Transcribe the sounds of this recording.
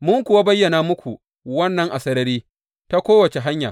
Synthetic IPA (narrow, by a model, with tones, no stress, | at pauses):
mʊ˦ŋkʷʊ˨wa˦bɐ˦jːɐ˨naː˨mʊ˦kʷu˨ | wɐ˦nːɐ˦ŋʔa˨sɐ˦ɾɐ˦ɾiː˦ | ta˦kʷoː˦wɐ˨t͡ʃe˨ɦa˦ɲja̰˨